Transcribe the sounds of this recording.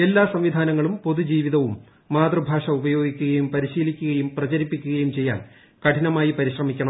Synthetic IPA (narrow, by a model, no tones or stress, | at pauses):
e̞lːaːsɐmʋid̪ʱaːnɐŋːɐɭumpo̞ðud͡ʑiːʋiðɐʋumː | aːd̪rɐbʱaːʂɐubɐjo̞ːɡikʲːuɣɐjumpɐɾiɕiːlikʲːuɣɐjumprɐt͡ɕɐɾipːikʲːuɣɐjumt͡ɕe̞jːa̰ːl | kɐʈʰinɐmaːjipɐɾiɕrɐmikʲːɐɳɐ